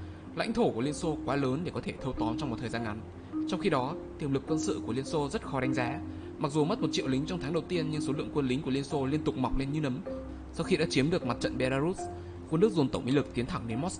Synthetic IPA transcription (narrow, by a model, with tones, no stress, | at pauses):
la̰˧˥jŋ̟t̪ʰo˧˩ku˧˩əli˧ənso˧kwaː˨˦ləː˨˦nɗe˧˩kɔ˨˦t̪ʰe˧˩t̪ʰə˧wt̪ɔ˨˦nt͡ɕɔ˧wŋ͡mm˨˩t̪ʰəː˨˩zaː˧ŋa˨˦n | t͡ɕɔ˧wŋ͡mxi˧ɗɔ˨˦t̪i˨˩əmlɨ˨˩kːwə˧nsɨ̰˧˨ku˧˩əli˧ənso˧zə˦˥t̚xɔ˨˦ɗa˨˦jŋ̟zaː˨˦ | ma˨˩k̚zu˨˩mə˦˥t̚mo˨˩t̚t͡ɕḭ˧˨əwli˨˦ŋ̟t͡ɕɔ˧wŋ͡mt̪ʰaː˨˦ŋɗə˨˩wt̪i˧ənɲɨ˧ŋso˨˦lɨ̰˧˨əŋkwə˧nlï˨˦ŋku˧˩əli˧ənso˧li˧ənt̪ʊ˨˩k͡p̚ma˨˩wk͡p̚le˧nɲɨ˧nə˨˦m | sa˧wxi˧ɗa̰ː˧˦t͡ɕi˨˦əmɗɨ˨˩ək̚ma˨˩t̚t͡ɕə̰˧˨nɓe˧laː˧zu˦˥ | kwə˧nɗɨ˦˥ək̚zu˨˩nt̪ə˧˩wŋ͡mʔḭ˧˦˥lɨ˨˩k̚t̪i˨˦ənt̪ʰa˧˩ŋɗe˨˦nmɔ˦˥s